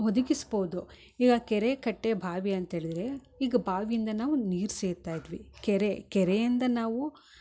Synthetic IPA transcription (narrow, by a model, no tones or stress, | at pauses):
ɦod̪uɡisboːd̪u | iːɡɐkɛɾekɐʈːebʱaːʋiɐnt̪ɦeːɭid̪ɾe̞ | iːɡɐbʱaːʋijind̪ɐnaːʋuniːɾseːɾt̪aːjid̪ʋikɛɾekɛɾejind̪ɐnaːʋu